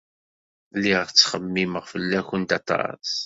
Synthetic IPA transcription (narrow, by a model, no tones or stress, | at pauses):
lːiʁəɾt͡sːχəmːiməʁfəlːæçənd̪ɑt̪ˤɑ̰s